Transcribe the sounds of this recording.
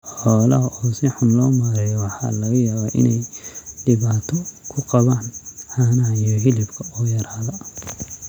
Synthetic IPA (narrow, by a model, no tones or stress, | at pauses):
ħɔːlɐɦɐʔɔːsɪħʊnlɔːmaːɾɛjɔwɑħɑ̰ːlɐɣɐjaːβaːʔɪ̰nɛjɖɪβaːt̪ʰɔkʰʊqɑβaːnħaːnɐɦɐijɔɦɪlɪbkʰɐɔːjɐɾaːðɐ